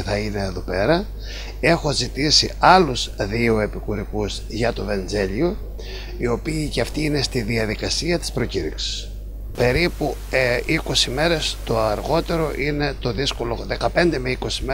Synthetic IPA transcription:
θɐine̞ːðo̞pe̞ɾɐ | e̞xo̞zit̪isiɐluz̥ðio̞e̞pikuɾikuz̥ | ʝɐt̪o̞ve̞nze̞ʎio̞ | io̞piːceɐft̪iːne̞st̪iðiɐðikɐsiɐt̪i̥spɾo̞ciɾiksi̥s | pe̞ɾipu | iko̞sime̞ɾest̪o̞ɐɾɣo̞t̪e̞ɾo̞ʔine̞t̪o̞ðisko̞lo̞ðe̞kɐpe̞nd̪e̞meiko̞sime

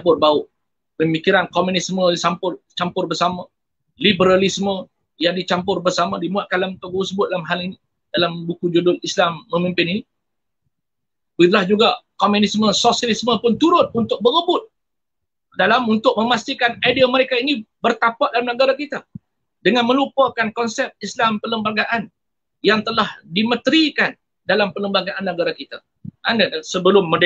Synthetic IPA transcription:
pʊrbaʊʔ | pəmikiɾankomunisməisampʊlt͡ʃampʊrbəsama | libəɾalismə̃ | jaŋdit͡ʃampʊrbərsamãdimuaʔ̪̚kandlamunt̪ʊk̚bəusəbʊt̪̚dalamɦalini | dalambukud͡ʒudʊlislamːəmimpɪnini | it̪̬ulahd͡ʒuɡakomunisməsosialisməpʊnt̪uɾʊt̪̚unt̪ʊk̚bəɾəbʊt̪̚ | dalamunt̪ʊk̚mə̃mast̪ikanajdiaməɾekainibərt̪apaʔ̚dalamnəɡaɾakit̪a | dəŋanmə̃lupakankɔnsɛp̚islampələmbaɡaʔan | jaŋt̪əlahdimə̃t̪əɾikan | dalampələmbaɡaʔanːəɡaɾakit̪a | ʔanənsəbəlʊmːəd

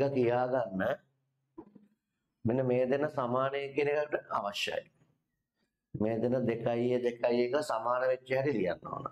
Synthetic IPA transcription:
kɐkijaːɡanːə | minːəmeːd̪enəsamaːnəjekːenekaʈːəa̰ʋaʃja̰ji | meːd̪enəd̪ekajed̪ekajekəsamaːnəʋet͡ʃːeɦɛɾilijanːo̰ːnə̰

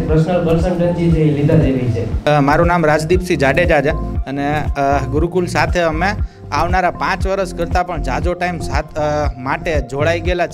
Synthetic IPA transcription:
pɾəsnəlbəɾsənʈənd͡ʒid͡ʒeilid̪ʱãd̪eɾit͡ʃʰemaɾunamɾad͡ʒd̪ipsid͡ʒaɽed͡ʒad͡ʒaəneɡʊɾukulsat̪ʰeəme | aʋnaɾapãt͡ʃʋəɾəskəɾt̪apəɳd͡ʒad͡ʒoʈaimsamaʈed͡ʒoɭaiɡela

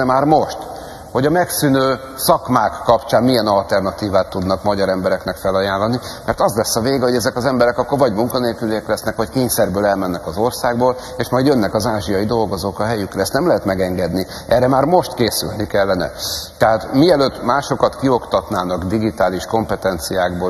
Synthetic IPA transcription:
ɛmaːrmo̞ʃt̪ | ho̞ɟɒmɛksynøː | sɒkmaːkːɒpt͡ʃaːnmiɛnɒlt̪ɛrnɒt̪iːvaːt̪ːud̪nɒkmɒɟɒɾɛmbɛɾɛknɛkfɛlɒjaːlːɒnimɛrt̪ɒzlɛsːɒveːɡho̞ɟɛzɛkɒzɛmbɛɾɛkɒkːorvɒɟmuŋkɒneːlkyliɛklɛsnɛkʋɒckeːɲsɛrbøːlɛlmɛnːɛkɒzo̞rsaːɡboːl | eʃmɒjd̪jønːɛkɒzaːʒijɒjid̪o̞lɡo̞zoːkɒɦɛjykrɛsnɛmlɛɦɛt̪mɛɡɛŋɡɛd̪ni | ʔɛːrɛmaːrmo̞ʃt̪keːsy̰lnikɛlːɛnɛ̰t̪ɛɦaːt̪miɛløːt̪ːmaːʃo̞kɒt̪kio̞kt̪ɒt̪naːnɒɡd̪iɡit̪aːliʃko̞mpɛt̪ɛnt̪sijaːɡboː

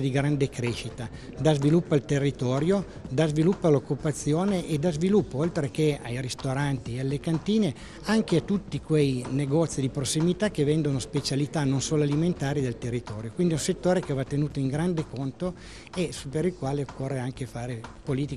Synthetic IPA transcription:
d̪iɡɾand̪ekɾeːʃit̪a | d̪azvilupːalt̪erːit̪ɔːɾjo | d̪azvilupːalokːupat̪sːjoːneʔed̪azvilupːoolt̪ɾekeajrist̪oɾant̪iealːekant̪iːne | aŋkeat̪ːut̪ːikwejneɡɔt̪sːid̪ipɾosːimit̪ak̟ːevɛnd̪onospet͡ʃalit̪anonsoːloaliment̪aːɾid̪elt̪erːit̪ɔːɾjokwind̪iɛũset̪ːoːɾek̟evat̪ːenuːt̪oiŋɡɾand̪ekont̪o | esupeɾilkwaːleokːorːeaŋkefaːɾepoliːt̪i

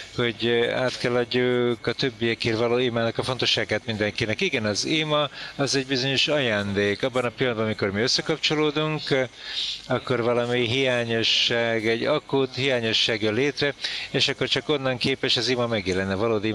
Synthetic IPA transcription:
ho̞ɟa̰ːt̪kɛlːɒɟukɒt̪ø̞bːijɛkeːrvɒloːimaːnɒkɒfo̞nt̪o̞ʃːaːɡaːt̪mind̪ɛŋkinɛkiɡɛnɒzimɒːzɛɟbizo̞ɲo̞ʃɒjaːnd̪eːkɒbːɒnɒpilːɒnd̪bɒnmiko̞rmiøsːɛkɒpt͡ʃo̞loːd̪uŋk | ɒkːo̞rvɒlɒmiɦijaːɲo̞ʃːaːɡɛɟɒkut̪hijaːɲo̞ʃːaːɡjoleːt̪rɛeːʃɒkːo̞rt͡ʃɒko̞nːɒŋkeːpɛʃɒzimɒmɛɡjɛlɛnːɛvɒloːd̪i

